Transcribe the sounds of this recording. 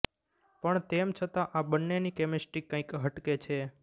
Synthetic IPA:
pəɳt̪emt͡ʃʰət̪ãʔabənːenikemɪsʈɾikːãĩkɦəʈket͡ʃʰe

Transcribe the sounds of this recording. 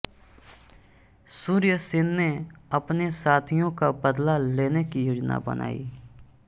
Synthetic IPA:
suːɾɪjəsɪ̃nːeɐpnesaːt̪ʰijõkabəd̪laleːnekijoːd͡ʒna̰bə̰nʔa̰ːḭː

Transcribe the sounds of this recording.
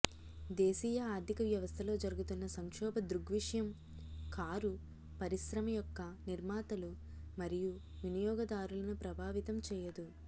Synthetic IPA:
d̪eːsiːjɐaːɾd̪ʱikɐʋjɐʋɐst̪ʰɐlo̞ːd͡ʒɐɾuɡut̪unːɐsɐŋkʂɔːbɐd̪ɾuɡʋiʂjɐm | kʰaːɾu | pɐɾisɾɐmɐjɔkːɐniɾmaːt̪ɐlu | mɐɾiju | ʋinijɔːɡɐd̪aːɾulɐnupɾɐbʱaːʋit̪ɐmt͡ʃɛːjɐd̪u

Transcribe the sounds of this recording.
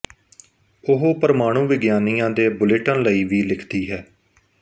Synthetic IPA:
ʊɦoːpəɾəmaːɽ̃ũːʋɪɡjaːniːjãːd̪eːbʊlɪʈənləiːʋiːlɪkʰd̪iːɦɛː

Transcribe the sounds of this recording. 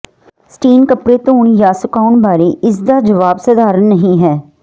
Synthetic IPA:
sʈiːnkəpɾeːt̪õːɳ̃jaːsʊkaːʊɳbaːɾeːɪs̬d̪aːd͡ʒəʋaːbsəd̪aːɾənːəɦĩːɦɛː

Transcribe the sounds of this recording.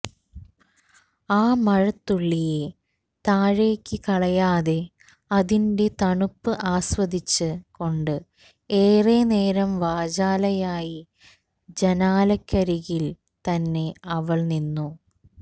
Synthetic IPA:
aːmɐɻɐt̪ːuɭːije | t̪aːɻeːkʲːɨkɐɭɐjaːðe̞ | ɐðinde̞t̪ɐɳupːɨʔaːswɐd̪it͡ɕːɨko̞ɳɖɨ | eːre̞ːne̞ːɾɐmʋaːd͡ʑaːlɐjaːji | d͡ʑɐnaːlɐkːɐɾiɣil | t̪ɐnːe̞ɐʋɐɭninːu

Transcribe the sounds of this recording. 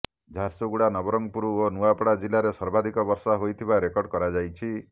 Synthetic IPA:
d͡ʒʱaɾsoɡuɽanɔbɔɾɔŋɡpuɾuonuapɔɽad͡ʒilaɾesɔɾbad̪ʱikɔbɔɾsɔɦojt̪ʰibaɾekɔɾɽɖkɔɾad͡ʒajt͡ʃʰi

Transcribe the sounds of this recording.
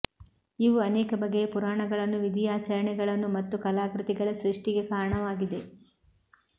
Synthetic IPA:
iʋuɐnɛːkɐbɐɡːepuɾaːɳɐɡɐɭɐnːuʋid̪ijaːt͡ʃɐɾɐɳɛɡɐɭɐnːumɐt̪ːukɐlaːkɾit̪iɡɐɭɐsɾiʂʈiɡe̞kaːɾɐɳɐʋaːɡid̪e̞

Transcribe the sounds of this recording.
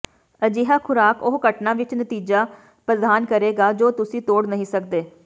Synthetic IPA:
əd͡ʒeːɦaːkʰʊɾaːkʊɦkəʈnãːʋɪt͡ʃnət̪iːd͡ʒaː | pɾəd̪ʱaːnkəɾeːɡaːd͡ʒoːt̪ʊsĩːt̪oːɽnəɦĩːsəkd̪eː

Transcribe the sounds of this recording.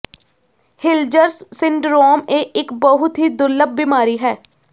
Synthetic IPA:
hɪld͡ʒəɾssɪɳɖɾoːmeɪkbəɦʊt̪ɦiːd̪ʊləb̚ːɪmaːɾiːɦɛː

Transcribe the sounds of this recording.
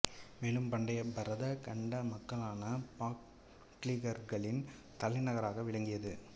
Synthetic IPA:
meːlɯmpɐɳɖɐjɐbɐɾɐðɐkɐɳɖɐmɐkːɐɭaːnɐpaːkː | liɣɐɾɣɐɭɪn | t̪ɐlɪnɐɣɐɾaːɣɐʋɪɭɐŋɡɪjɐðɯ

